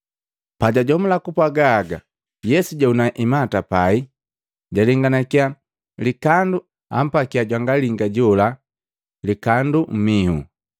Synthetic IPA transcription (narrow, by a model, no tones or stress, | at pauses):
paɟaɟɔmulakupwaɡaːɡa̰ | jɛsuɟaunaʔimatapai | ɟaliŋɡanakia | likandu | a̰m̩pakiaɟwaŋɡaliŋɡaɟɔla | likandum̩mihṵ